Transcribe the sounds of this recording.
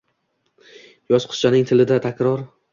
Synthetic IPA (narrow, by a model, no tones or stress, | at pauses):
jɒzqʰʊ̥t͡ʃʰanɪŋt̪ʰɪlɪd̪at̪ʰakʲɾɒɾ